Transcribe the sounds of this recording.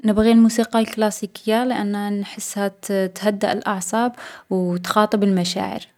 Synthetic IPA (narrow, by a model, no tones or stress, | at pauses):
nɪbɣilmuːsiːqɑlklaːsikɪjːalɪʔanːhanħɪsːhat̪t̪had̪ːa̰ʔɪlʔɑʕsˤɑːbwt̪xɑːt̪ˤɨbɪlmaʃa̰ːʕɪ̰ɾ